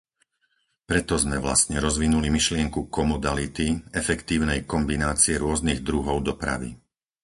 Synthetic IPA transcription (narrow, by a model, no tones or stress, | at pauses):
pɾɛt̪ɔzmɛʋla̰st̪ɲɛɾɔzʋinulimiʃlɪɛŋkukɔmɔd̪alit̪iɛfɛkt̪iːʊnɛjkɔmbinaːt͡siɛɾʊɔzniɣd̪ɾuɦɔʊd̪ɔpɾa̰ʋḭ